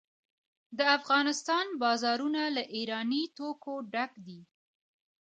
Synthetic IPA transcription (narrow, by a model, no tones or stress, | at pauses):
d̪əafɣɑnɪst̪ɑnbɑzɑɾunalaʔiɾɑnit̪okoɖakd̪i